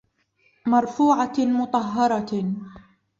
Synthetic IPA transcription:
mɑɾˤfuːʕamʊt̪ˤɑɦːɑɾˤɑ

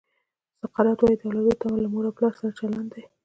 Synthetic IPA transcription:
saqɑɾɑt̪wɑjid̪awlawet̪amalamuɾaplɑsaɾat͡ʃaland̪d̪e

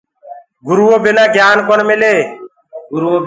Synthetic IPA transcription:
ɡʊɾuːoːbɪnãːɡʱjaːnkoɳmɪleː

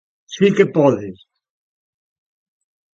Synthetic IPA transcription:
sikepɔðes

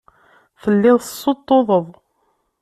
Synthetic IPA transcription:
θəlːɪðˤsˤːot̪ˤːoðˤəðˤ

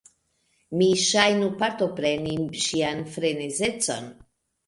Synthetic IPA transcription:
miʃajnupaɾt̪opɾe̞niʃianfɾe̞nezet͡so̞̰n

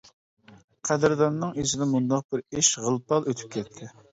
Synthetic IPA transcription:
qʰæd̪ɪɾd̪ɑnnɨŋisɪd̪ɛmund̪ɑq̚bɪɾeʃʁəlˠpɑlˠøt̪ʰy̥p̚kʲʰɛt̪ʰːɪ

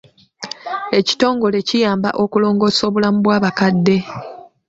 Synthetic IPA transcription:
e̞ci̥to̞ːŋɡo̞le̞cijaːmba̰ʔo̞kulo̞ːŋɡo̞so̞ːβulamuβwaːβakadːe̞

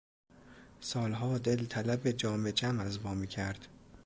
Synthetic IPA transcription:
sɒːlɦɒːd̪e̞lt̪ʰælæbed͡ʒɒːmed͡ʒæmæzbɒːmiːcʰæɾd̪̥

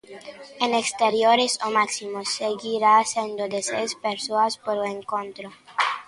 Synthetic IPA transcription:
enekst̪eɾjoɾesomaksimosːeɡiɾaːsend̪od̪esḛjspeɾsoaspoɾoeŋkont̪ɾo

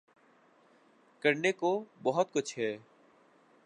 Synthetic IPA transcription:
kəɾneːkoːbɔɦət̪̚kʊt͡ʃʰɦɛː

